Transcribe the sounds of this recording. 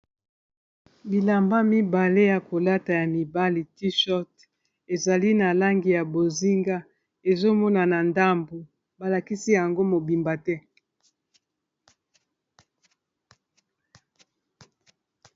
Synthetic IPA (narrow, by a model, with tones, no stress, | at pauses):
bi˨la˨mba˦mi˦ba˨le˦ja˨ko˨la˦ta˨ja˨mi˨ba˦li˨ti˦ʃɔ˦t | e˨za˨li˦na˨la˦ŋɡi˨ja˨bo˨zi˦ŋɡa˦ | e˨zo˦mɔ˦na˨na˨nda˦mbo˨ | ba˨la˨ki˦si˦ja˨ŋɡo˦mo˨bi˨mba˨tɛ˦